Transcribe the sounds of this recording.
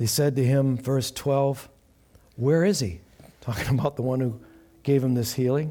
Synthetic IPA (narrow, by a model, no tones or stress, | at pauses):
isɛd̚tɨɪ̃ɱvɜ˞stʰw̥ɛlˠv | wə˞ɪz̥ḭ | tʰɔkɪ̃ŋəbaʊt̪̚ðəwʌ̃nhu | ɡ̥eɪv̥ɨ̃mðɪshilˠɪ̃ŋ